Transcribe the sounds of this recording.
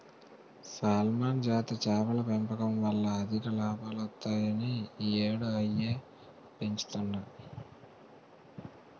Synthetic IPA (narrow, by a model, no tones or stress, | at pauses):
saːlmaːnd͡ʒaːt̪ɐt͡ʃɛːʋɐlɐpempɐkɐmʋɐlːɐːd̪ʱikɐlaːbaːlɐt̪ːaːjɐnieːɽuɐjːeː | pe̞ɲt͡ʃu̥t̪uɳɖi